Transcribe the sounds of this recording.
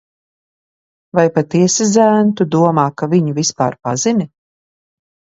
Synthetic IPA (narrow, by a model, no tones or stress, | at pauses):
vajpat̪iɛsizæːnt̪ud̪uɔmaːkaviɲuvispa̰ːɾpa̰zinʲi